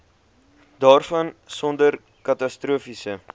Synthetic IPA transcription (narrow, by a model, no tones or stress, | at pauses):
dɑːrfɐnsɔndər | kɐtɐstɾuəfisə